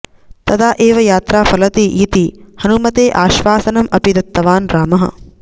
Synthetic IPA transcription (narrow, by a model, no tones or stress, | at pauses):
t̪ɐd̪aːʔeːʋɐjaːt̪ɾaːfɐlɐt̪iʔiːt̪ihɐnumɐt̪eːʔaːʃʋaːsɐnɐmɐpid̪ɐt̪ːɐʋaːnɾaːmɐɦɐ̰